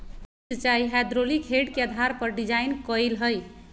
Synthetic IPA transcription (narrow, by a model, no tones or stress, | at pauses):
sət͡ʃajɦad̪ɾolikʰeɖkeəd̪ʱaɾpəɾɖid͡ʒajnkɔjlɦəj